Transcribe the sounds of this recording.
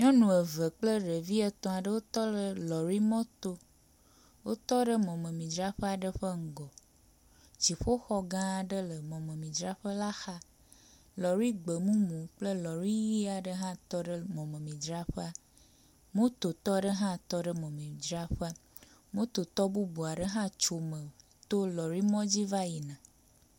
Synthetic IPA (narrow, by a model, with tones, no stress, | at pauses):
ɲɔ̃˦nũ˨ə˨və˨k͡plə˦ɖə˨vi˦ə˦t̪ɔ̃˨a˨ɖə˦wo˦t̪ɔ˦lə˨lɔ˨ɾi˦mɔ̃˦t̪o˦ | wo˦t̪ɔ˦ɖə˦mɔ̃˨mẽ˨mĩ˨d͡ʒɾa˦ɸə˦a˨ɖə˦ɸə˦ŋ̩˨ɡɔ˨ | t͡ɕi˨ɸo˦xɔ˦ɡã˦˨ɖə˦lə˨mɔ̃˨mə̃˨mĩ˨d͡ʒɾa˦ɸə˦la˦xa˦ | lɔ˨ɾi˦ɡ͡bə˨mũ˦mũ˨k͡plə˦lɔ˨ɾi˦ji˦a˨ɖə˦ɦã˦t̪ɔ˦ɖə˦mɔ̃˨mẽ˨mĩ˨d͡ʒɾa˦ɸə˦a˦˨ | mũ˦t̪o˨t̪ɔ˦ɖə˦ɦã˦t̪ɔ˦ɖə˦mɔ̃˨mĩ˨d͡ʒɾa˦ɸə˦a˦ | mũ˦t̪o˨t̪ɔ˦bu˦bu˨a˨ɖə˦ɦã˦t͡ʃo˨mə̃˨˦ | t̪o˦lɔ˨ɾi˦mɔ̃˦d͡ʑi˦va˦ji˨nã˨